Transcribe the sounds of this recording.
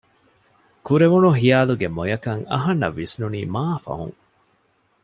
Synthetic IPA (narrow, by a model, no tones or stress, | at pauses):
kuɾeʋunuɦijaːluɡemojɐkɐŋɐ̰ɦɐnːɐ̰ʋːisnuniːmaːfɐ̰ɦṵ̃ŋ